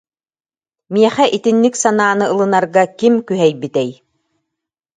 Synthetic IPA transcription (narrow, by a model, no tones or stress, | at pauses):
miɛχɛʔit̪inːiksanaːnɯɯlˠɯnaɾɡakimkyɦɛjbit̪ɛj